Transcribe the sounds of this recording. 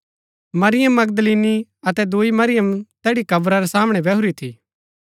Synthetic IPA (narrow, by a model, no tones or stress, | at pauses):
mɐɾɪjəmːɐɡ̚d̪liːniɐt̪ɛd̪uimɐɾɪjəmt̪ɛːɽikɐbɾaɾɛsaːməɽ̃ɛbɛɦʊɾit̪ʰḭː